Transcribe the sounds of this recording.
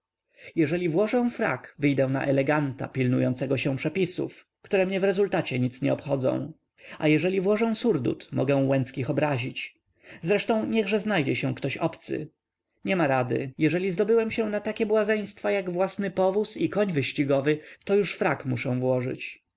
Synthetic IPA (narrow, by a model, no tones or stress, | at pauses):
jɛʐɛlʲivwɔʐɛ̃w̃fɾa̰kvɘjd̪ɛ̃w̃na̰ʔɛlɛɡant̪a̰pʲilnujɔnt̪sɛɡɔɕɛ̃w̃pʂɛpʲisṵf | kt̪uɾɛmɲɛvɾɛzult̪at͡ɕɛɲit̪sɲɛɔpxɔd̪zɔ̰̃w̃ | a̰jɛʐɛlʲivwɔʐɛ̃w̃suɾd̪ṵt̪mɔɡɛ̃w̃wɛnt̪skʲixɔbɾaʑit͡ɕ | zɾɛʂt̪ɔ̃w̃ɲɛɣʐɛznajd͡ʑɛɕɛw̃kt̪ɔɕɔpt̪sɘ̰ | ɲɛmaɾad̪ɘ̰jɛʐɛlʲizd̪ɔbɘwɛmɕɛ̃nat̪akʲɛbwazɛj̃st̪fajaɡvwasnɘpɔvusikɔɲvɘɕt͡ɕiɡɔvɘt̪ɔjuʂfɾakmuʂɛ̃w̃vwɔʐɘ̰t͡ɕ